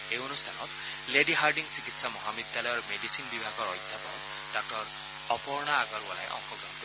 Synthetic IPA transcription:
eonustʰanɔt̪ | leɖiɦaɹɖiŋsikit̪samɔɦamid̪ːalɔjɔɹmedisinbibʱaɡɔɹɔjd̪ʱjapɔ̰ | d̥ɔk̚ʈɔɹ | ɔpɔɹnaːɡɔɾɔla̰jʔɔ̰ŋkɔɡɔnɡo

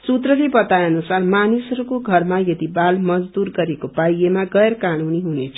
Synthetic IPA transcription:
sut̪rʌlipʌt̪aʌnusarmanisʌɾukoɡʱʌrmajʌd̪ibalmʌd͡zd̪urɡʌɾekopajemaɡʌjɾkanuniɦunet͡sʰʌ

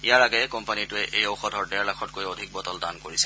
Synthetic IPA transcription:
ijaɹaɡɛkɔmpanitʊɛʔejowxɔdʱɔɹdɛɹlakʰɔt̚kojodʱik̚bɔtɔldankoɹisɛ

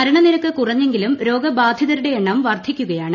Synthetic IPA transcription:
ɐɾɐɳɐniɾɐkːɨkurɐɲːe̞ŋɡilumɾo̞ːɡɐbaːd̪ʱjɐðɐɾuɽe̞ːɳːɐmʋɐrd̪ʱikʲːuɣɐjaːɳɨ

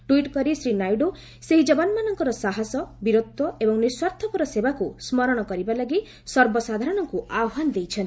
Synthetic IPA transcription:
ʈuiʈkɔɾisɾinajɖo | seɦid͡ʒɔbanmanɔŋkɔɾɔsaɦasɔbiɾot̪ːɔebɔŋniswaɾt̪ʰɔpɔɾɔsebakusmɔɾɔɽ̃ɔkɔɾibalaɡi | sɔɾbɔsad̪ʱaɾɔɽ̃ɔŋkuʔaɔɦanɔd̪ejt͡ʃʰɔn

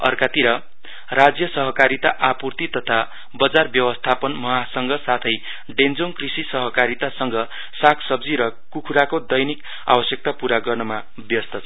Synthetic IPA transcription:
ʌ̰rkat̪iɾʌ | rad͡zjʌsʌɦʌkaɾit̪aʔapurt̪it̪ʌt̪ʰa | bʌd͡zarbjʌwʌst̪ʰapʌnmʌɦasʌŋɡʌsat̪ʰʌj | ɖend͡zoŋkrisisʌɦʌkaɾit̪asʌŋɡʌ | sakʰsʌbd͡ziɾʌ | kukʰuɾakod̪ʌjnik | a̰bʌsjʌk̚t̪apuɾaɡʌrnʌma | bjʌst̪ʰʌ

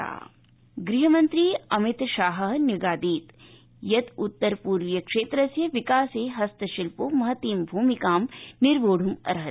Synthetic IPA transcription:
a̰ː | ɡɾiɦɐmɐnt̪ɾiɐmɪt̪ʃaːɦɐɦniɡaːd̪iːt̪ | jɐt̪ut̪ːɐɾpuːɾʋjɐkʂeːt̪ɾɐsjɐʋikaːseːɦɐst̪ɐʃilpomɐɦɐt̪iːmbʱuːmikaːmniɾʋoːɽ̤ʱumɐ̰ɾɦɐ

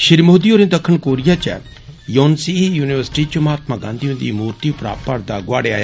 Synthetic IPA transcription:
ʃɪɾmoːd̪ioːɾĩːd̪ɐkʰːənkoːɾijat͡ʃɛ̰ | joːnsijuːnɪʋəɾsɪ̥ʈit͡ʃʊmaːt̪maɡãːnd̪iːɦũnd̪imuːɾt̪ipɾa̰ːpəɾd̪aɡʊaːɽea̰ːja

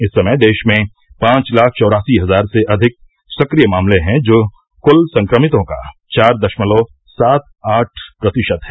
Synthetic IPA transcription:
ɪsːɐməjd̪eːʃmẽ | pãːt͡ʃlaːk̚ʰt͡ʃɔːɾaːsiɦɐzaːɾseʔɐd̪ʱɪk̚ | sɐkɾijəmaːmleɦɛ̃d͡ʒoː | kʊlsɐ̃ŋkɾəmɪt̪õka̰t͡ʃaːɾd̪ɐʃməloː | saːt̪̚aːʈʰpɾɐt̪ɪʃəd̪ɦɛː

